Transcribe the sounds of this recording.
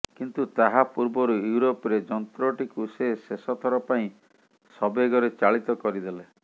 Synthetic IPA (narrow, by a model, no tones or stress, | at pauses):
kint̪ut̪aɦapuɾbɔɾujuuɾopɾed͡ʒɔnt̪ɾɔʈikusesesɔt̪ʰɔɾɔpaĩ | sɔbeɡɔɾet͡ʃaɭit̪ɔkɔɾid̪ele